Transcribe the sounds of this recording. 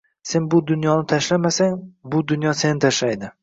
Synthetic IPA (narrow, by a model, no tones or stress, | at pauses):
se̞nbʊd̪ʊnjɒnɪt̪ʰaʃlamasaŋbʊd̪ʊnjɒse̞nɪt̪ʰaʃlajd̪ɪ